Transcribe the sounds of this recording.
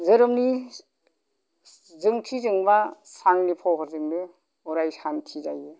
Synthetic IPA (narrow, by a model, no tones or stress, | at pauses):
zɯɾɯmni | zɯŋtʰizɯŋbasaŋnipʰɔwɦaɾzɯŋnɯ | ɔɾajsantʰizaje